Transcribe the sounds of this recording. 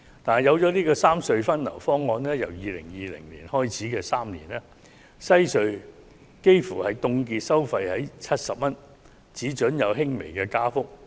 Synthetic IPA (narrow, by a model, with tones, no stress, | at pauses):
t̪aː˨n˨jɐ˨˧wt͡sɔː˨˥niː˥kɔː˧saː˥msɵ˧ɥfɐ˥nlɐ̰˨˩wfɔː˥ŋːɔː˧nlɛː˥jɐ̰˨˩wjiː˨lɪ̰˨˩ŋjiː˨lɪ̰˨˩ŋlḭː˨˩nhɔː˥jt͡sʰiː˨˥kɛː˧saː˥mnḭː˨˩nɛː˥ | sɐ˥jsɵ˧ɥ | ke˥jfuː˨˩hɐ˨jt̪ʊ˧ŋkiː˧t̚sɐ˥wfɐ˧jhɐ˨˥jt͡sʰɐ˥t̚sɐ˨p̚mɐ˥n | t͡siː˨˥t͡ʃɵ˨˥njɐ˨˧wɦɪ˥ŋme˨˩jkɛː˧kaː˥fʊ˥k̚